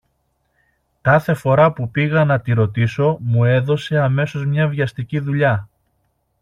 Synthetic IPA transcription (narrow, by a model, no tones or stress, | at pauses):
kɐθe̞fo̞ɾɐpupiɣɐnɐt̪iɾo̞t̪iso̞mue̞ðo̞se̞ɐme̞so̞zmɲɐvʝɐst̪iciðuʎɐ